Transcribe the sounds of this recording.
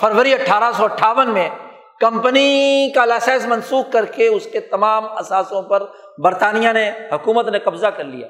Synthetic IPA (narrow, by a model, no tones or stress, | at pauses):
fʰəɾʋəɾiɐʈʰːaːɾasɔɐʈʰːaːʋənmẽ | kɐ̃mpənikalaːsɛːsmɐ̃nsuːkkɐɾkeʊsket̪ɐmaːmɐsaːsõpɐɾ | bɐɾt̪aːnijanehʊkuːmət̪nekɐbzakɐɾlḭja̰ː